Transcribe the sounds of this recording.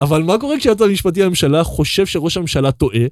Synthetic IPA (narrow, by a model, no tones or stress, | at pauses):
avalmako̞ʁekʃajat̪̬amiʃpat̪̬iame̞mʃalaχo̞ʃe̞vʃeʁo̞ʃhamemʃalat̪o̞ʔe̞